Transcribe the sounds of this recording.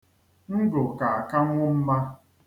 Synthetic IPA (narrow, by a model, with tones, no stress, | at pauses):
ŋ̩˦ɡo˨ka˨a˨ka˦ŋʷʊ˦m̩˦ma˦